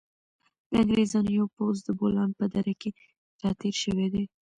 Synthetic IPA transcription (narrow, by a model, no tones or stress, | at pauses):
d̪̥əaŋɡɾezɑnəjopozd̪əbolɑnpəd̪aɾake | t̪ɑt̪eɾʃəwed̪e